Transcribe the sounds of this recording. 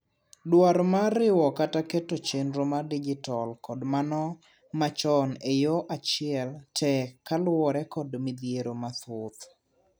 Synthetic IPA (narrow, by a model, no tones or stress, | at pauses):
dwaɾmaɾɪwɔkatakɛtot͡ʃenɾomadid͡ʒɪtɔlkɔdmanɔ | mat͡ʃɔnejɔʔat͡ʃɪɛltʰɛkːalwɔɾɛkɔdmid̪jeɾomat̪ʊt̪